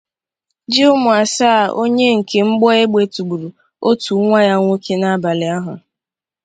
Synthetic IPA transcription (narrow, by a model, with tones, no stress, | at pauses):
d͡ʒɪ˦ʊ˦mʊ˨a˨saː˦˨o˦ɲe˦ŋ̩˨ke˨ŋ͡m̩˦ɡ͡bɔ˦e˦ɡ͡be˨tu˨ɡ͡bu˨ɾu˨ | o˦tu˨˦ŋʷa˦ja˦ŋʷo˦kʰe˦na˦ba˨lɪ˨a˦ɦʊ˨